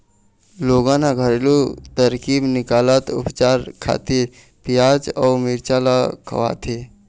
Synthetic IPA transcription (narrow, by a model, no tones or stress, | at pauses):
loːɡãːnaɡʱəɾelot̪əɾkiːbnɪkaːlət̪ʊ̰pt͡ʃaːɾkʰa̰ːt̪iɾ | pijaːd͡ʒɔːmɪɾt͡ʃalakʰə̰ʋa̰t̪ʰe